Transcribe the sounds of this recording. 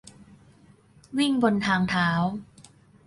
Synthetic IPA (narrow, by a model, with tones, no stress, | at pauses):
wi˥˩ŋbo˧nt̪ʰaː˧ŋt̪ʰaː˩˦w